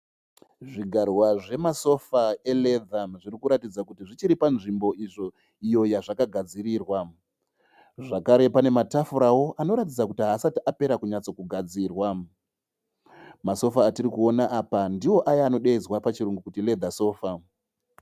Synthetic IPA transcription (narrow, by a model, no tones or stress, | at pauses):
ʐiɡʱarwaʐe̞maso̞fae̞le̞d̪ʱamʐirikuɾatid͡zakutiʐit͡ʃiɾipanʐimbo̞iʐo̞ | ijo̞jaʐakaɡʱad͡ziɾiːrwa | ʐakaɾe̞pane̞matafuɾawo̞ʔano̞ɾatid͡zakutiɦaːsatiʔape̞ɾakuɲat͡so̞kuɡʱad͡ziːrwa | maso̞faːtirikuo̞naʔːpandiwo̞ʔajaːno̞ɗeizwapat͡ʃiɾuŋɡukutile̞d̪ʱaso̞ːfa